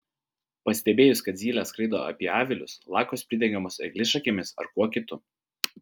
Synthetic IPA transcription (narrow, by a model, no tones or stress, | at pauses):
pɐsʲt̪ʲɛbʲeːjʊskɐt̪zʲiːlʲæskɾɐɪd̪o̰ːɐ̰pʲiɛɑːʋʲɪlʲʊ̰slˠɑːkoːspʲɾʲɪd̪ʲɛŋʲɡʲɛmoːsɐɛ̰ɡʲlʲɪsʃɐkʲeːmʲɪsɐ̰ɾkuɔkʲɪt̪ʊ